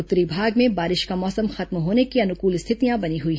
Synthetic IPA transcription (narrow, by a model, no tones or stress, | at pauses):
ʊt̪ːɾibʱaːɡmẽbaːɾɪʃkamɔːsəmxɐt̪mɦoːnekiɐnʊkuːlɪst̪ʰɪt̪ijãbɐniɦʊiː